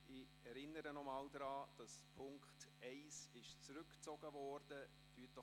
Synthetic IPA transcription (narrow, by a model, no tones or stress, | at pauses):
ɪ | ɛɾɪnːəɾənɔmɑːldɾɑːd̥ɑspʰʊŋktɛɪsɪʃt͡sɾʏkt͡sɔɡ̥əvɔːrd̥ə | d̥yːtɔ